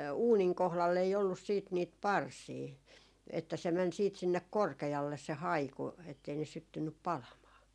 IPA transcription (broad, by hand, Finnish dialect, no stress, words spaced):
uːniŋ kohlɑlː ei olːus siːt niːt pɑrsiː etːæ se mɛn siːt sinːek korkeɑlːe se hɑiku etːei ne sytːynːyp pɑlɑmɑː